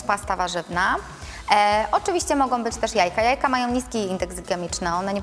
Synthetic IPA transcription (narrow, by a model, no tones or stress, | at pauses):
past̪avaʐɘvna | ʔɔt͡ʂɘvʲiɕt͡ɕɛmɔɡɔ̃w̃bɘt͡ɕt̪ɛʂjajkajajkamajɔ̃w̃ɲiskʲiind̪ɛɡzɡʲɛmʲit͡ʂnɛɔnɛɲɛ